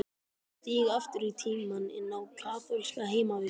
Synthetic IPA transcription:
t̪iːɣaft̪ʏɾit̪ʰiːmanɪ̰nːawkʰaːθɔlskaɦeːjmavɪ

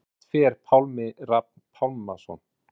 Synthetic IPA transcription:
fɛːɾ̥pʰawlmɪɾap̚npʰawlmasɔ̰n

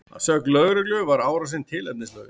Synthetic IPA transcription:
a̰ðsœklœɣɾʏklʏvaɾaːwɾasɪnt̪ʰɪlɛp̚nɪnslœːɣɪ

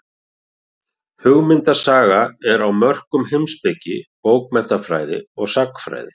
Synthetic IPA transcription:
hʏɣmɪnt̪asaːɣaɛɾawmœr̥kʏmhejmspɪcːɪ̰powk̚mɛt̪afɾa̰ːjðɪ̰ɔɣsakfɾa̰ːjðɪ

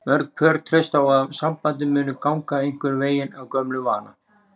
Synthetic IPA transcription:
mœɾk̚pʰœɾt̪ʰɾɛst̪awaðsampant̪̬ɪmʏːnʏkawŋkaejŋ̥kvʏɾveːjɪnawkœmlʏvaːna̰

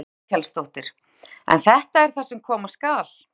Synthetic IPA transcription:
kɛlst̪owht̪ɪɾ̥ | ɛ̰nθɛht̪aɛɾ̥θasɛmkʰɔːmaskaːl

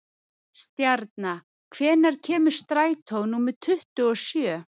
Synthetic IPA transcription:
st̪jaɾt̪̚na | kʰvɛːnaɾ̥cʰɛːmʏ̥st̪ɾaːjt̪ʰownuːmɪðt̪ʰʏht̪ʏɔsjœː

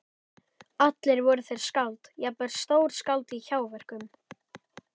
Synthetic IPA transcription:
at̪lɪɾvɔɾʏθejɾ̥skawlt̪japɛɾ̥st̪oːwɾ̥skalt̪içaːwvɛr̥kʏm

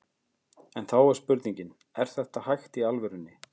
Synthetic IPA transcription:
ɛnθawɛɾ̥spʏɾt̪niɲcɪn | ɛɾ̥θɛht̪ahajxt̪ialvʏɾʏnːɪ

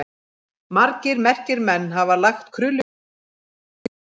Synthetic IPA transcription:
maɾcɪɾmɛr̥cɪɾmɛnːɦavalaxt̪kʰɾʏlʏ

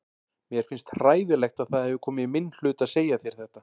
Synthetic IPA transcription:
mjɛɾ̥fɪnst̪r̥aːjðɪlɛxt̪aðθaðhɛvɪkʰɔːmɪimɪnl̥ʏːt̪aðseːjaθjɛɾ̥θɛht̪a

